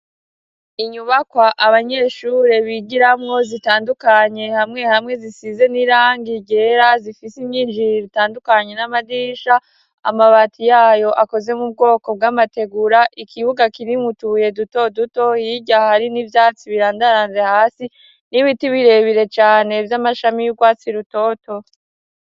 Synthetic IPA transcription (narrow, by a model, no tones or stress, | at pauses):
iɲuβakwaʔaβaɲe̞ːʃuːɾe̞βiɡiɾamŋo̞zitaːndukaɲe̞hamŋe̞hamŋe̞zisize̞niɾaːŋɡiɟeɾazifisimɲiːnd͡ʒiɾiβitaːndukaɲe̞namadiːʃa | a̰maβatʰijaːjo̞ʔako̞ze̞mub̚ɡo̞ːko̞b̚ɡamate̞ɡuɾaʔikʰiβuɡakiɾimutuje̞duto̞duto̞jiɟahaɾinivjaːt͡siβiɾaːndaɾaːnze̞haːsi | niβitiβiɾe̞βiɾe̞t͡ʃaːne̞vjamaʃamijuɡwaːt͡siɾuto̞ːto̞